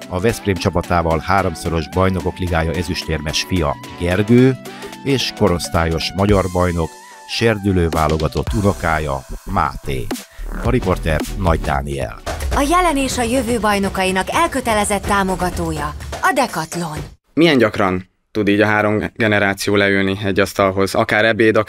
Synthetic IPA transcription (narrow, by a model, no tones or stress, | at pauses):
ɒvɛspreːmt͡ʃɒpɒt̪aːvɒlhaːɾo̞mso̞ɾo̞ʒbɒjno̞ko̞kliɡaːjɒɛzyʃt̪eːrmɛʃfijɒ̰ | ɡɛrɡøːeːʃko̞ɾo̞st̪aːjo̞ʃmɒɟɒrbɒjno̞k | ʃeːrd̪yløːvaːlo̞ɡɒt̪o̞t̪ːuno̞kaːjɒ̰ma̰ːt̪ḛːɒɾipo̞rt̪ɛrnɒɟd̪a̰ːniɛ̰lɒjɛlɛneːʃɒjøvøːbɒjno̞kɒjinɒkɛlkø̞t̪ɛlɛzɛt̪ːaːmo̞ɡɒt̪oːjɒɒd̪ɛkɒt̪lo̞n | miɛɲɟɒkrɒn | t̪ud̪iːɟɒɦaːɾo̞mɡɛnɛɾaːt̪sijoːlɛylniɛɟːɒst̪ɒlɦo̞zɒkaːɾɛbeːd̪ɒ